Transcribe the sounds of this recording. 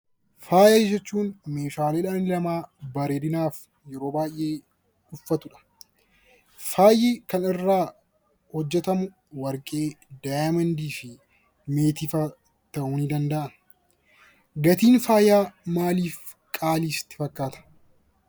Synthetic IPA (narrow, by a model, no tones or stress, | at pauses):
faːjɐɪd͡ʒɐt͡ʃːuːnme̞ːʃaːleːᶑaːnɪlɐmaːbɐɾeːd̪ɪnaːf | jɛɾo̞ːbaːjʔe̞ː | ᶑʊfːɐt̪ʊᶑɐ̥ | faːjeːkɐnɪrːaː | hɔd͡ʒːɛt̪ɐmʊ | wɐɾkʼe̞ːd̪ajɐmɐnd̪iːfɪ | me̞ːt̪iːfɐ | t̪ɐʔuːnid̪ɐnd̪ɐʔɐn | ɡɐt̪iːnfaːjaːmaːliːf | kʼaːliːsɪ̥t̪ːɪ̥fɐkːaːt̪ʰɐ̥